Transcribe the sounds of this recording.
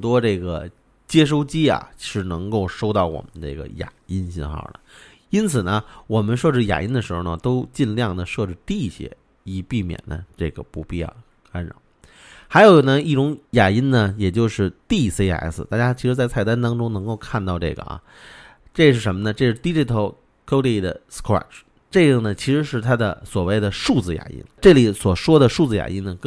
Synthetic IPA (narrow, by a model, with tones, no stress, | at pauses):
nt̪wɔ˥ʈ͡ʂɤ˥˩ɡə˩ | t͡ɕjɛ˥ʂ̬o˥ʊt͡ɕi˥a̰˨˩ʂɻ̩˥˩nɤ˧˥ŋko˥˩ʊʂo˥ʊt̪ɑ˥˩ʊwɔ̰˨˩mə˦nʈ͡ʂɤ̰˥˩ɡə̰˨˩ja̰˨˩i˥nɕḭ˥˧xɑ̰˥˩ʊlə̰˩ | i˥nt͡sʰɹ̩˨˩nə˦wɔ˨˩mə˦nʂɤ˥˧ʈ͡ʂɻ̩˥˩ja̰˨˩i˥nd̪ə˨ʂɻ̩˧˥xo˧˩nə˨˩t̪o˥ʊt͡ɕi˥˧nljɑ˥˩ŋd̪ə˩ʂɤ˥˧ʈ͡ʂɻ̩˥˧t̪i˥˩ɕjɛ̰˧˥ | i˨˩pi˥˩mjɛ̰˨˩nd̪ə̰˦ʈ͡ʂɤ˥˩ɡə̰˩pu˧˥pi˥ja̰˨˩ | ka˥nɻɑ̰˨˩˦ŋ | xa˧˥ɪjo˧˩˨ʊnə˧i˥˩ʈ͡ʂʊ˧˥ŋja˨˩i˥nnə˨jɛ˨˩t͡ɕjo˥˧ʊʂɻ̩˥˧t̪i˥˩se˥ɪja̰˧˥ɪsɹ̩̰˧t̪a̰˥˩t͡ɕja˥t͡ɕʰi˧˥ʂɻ̩˧˥t͡sa˥˩ɪt͡sʰa˥˩ɪt̪a˥nt̪ɑ˥ŋʈ͡ʂʊ˥ŋnɤ˧˥ŋko˥˧ʊkʰa˥˧nt̪ɑ˥˧ʊʈ͡ʂɤ˥˩ɡə̰˩ʔɐ̰˨˩ | ʈ͡ʂɤ˥˩ʂɻ̩˥˩ʂə˧˥nmə˧ə˧ʈ͡ʂɤ˥˩ʂɻ̩˥˧t̪i˥ʈ͡ʂi˥˩t̪ʰə˥l | kʰo˥ʊli˥˩d̪ə̰˨˩skʰwa̰˥˧˩ʈ͡ʂ | ʈ͡ʂe˥˩˥nə˩t͡ɕʰi˧˥ʂɻ̩˧˥ʂɻ̩˥˧t̪ʰa˥d̪ə̰˨swɔ˨˩we˥˩ɪd̪ə˩ʂu˥˩d͡zɹ̩˧˩ja̰˨˩ḭ˧˥nʈ͡ʂɤ˥˩li˨˩swɔ˨˩ʂwɔ˥d̪ə˨ʂu˥˩d͡zɹ̩˧ja̰˨˩i˧˥nnə˨k